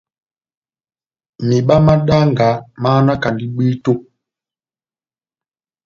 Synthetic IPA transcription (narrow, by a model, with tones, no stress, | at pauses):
mi˨ɓa˦ma˦ɗa˦ŋɡa˨˦maː˦na˦ka˨ndi˦ɓi˦to˦